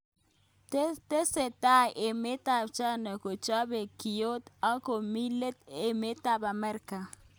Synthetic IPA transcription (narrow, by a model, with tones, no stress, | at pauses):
te˦se˨ta˦˨jʔe˨me˦ta˦˨bt͡ʃa˦nɔ˨ko˨t͡ʃa˦be˨ki˨jo˦t̪a˦ko˨mi˦le˦t̪e˨me˦ta˦ba˨mɛ˦ɾka˨